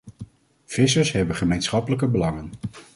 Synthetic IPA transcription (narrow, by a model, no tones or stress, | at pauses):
v̥ɪsəɹsɦɛbəχəmejnsχɑpələkəbəlɑŋən